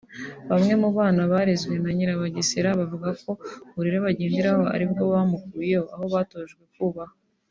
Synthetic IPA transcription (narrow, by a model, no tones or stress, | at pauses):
βamŋe̞muβaːnaβaːɾezɡwe̞naɲiɾaβaɟisiɾaβavuɡako̞uɾiɾeβaɟeːndiɾaho̞a̰ɾibɡo̞βaːmukujeoaho̞βaːtoːʒɡwe̞kuβaha